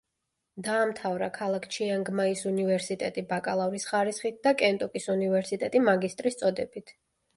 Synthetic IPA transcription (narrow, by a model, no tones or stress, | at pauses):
d̪aːmt̪ʰavɾakʰalˠakʰt͡ʃʰiaŋɡmaisunivɛɾsit̪ʼɛt̪ʼibakʼalˠavɾisχaɾisχit̪̚d̪akʼɛnt̪ʼɔkʼisunivɛɾsit̪ʼɛt̪ʼimaɡist̪ʼɾist̪sʼɔd̪ɛbit̪ʰ